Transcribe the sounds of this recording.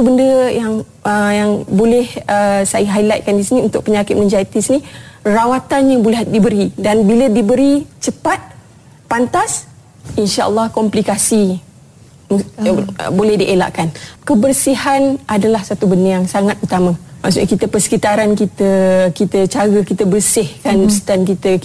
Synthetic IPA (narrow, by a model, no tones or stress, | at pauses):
t̪ubəndəjaŋ | ʔəjaŋbolɛhəsajəɦailat̪̚kandisiniunt̪ʊk̚pəɲakɪt̪̚mə̃ɲd͡ʒait̪isinĩrawat̪anjabolɛɦdibəɾidanbilədibəɾit͡ʃəpat̪̚ | pant̪as | inʃaʔə̰lːɑhkɔmplikasi | m̰ | bolɛhdiʔela̰ʔkankəbərsihanʔadalahsat̪ubənĩaŋsaŋat̪̚ut̪amãma̰ʔsṵʔɲakit̪əpərsə̥kit̪aɾankit̪əkit̪ət͡ʃaɡəkit̪əbərsɪhkandst̪ankit̪ə